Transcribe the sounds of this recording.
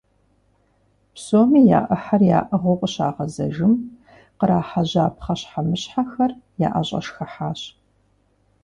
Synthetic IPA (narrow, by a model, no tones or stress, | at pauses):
psoːmiːja̰ːʔəħarja̰ːʔɐʁʷoqʷʼəɕaːʁɐzɐ̰ʒɪm | qəɾaːħaʑaːpχɐɕħamɨɕħaxɐrja̰ːʔɐɕʼɐ̰ʃxɐħaːɕ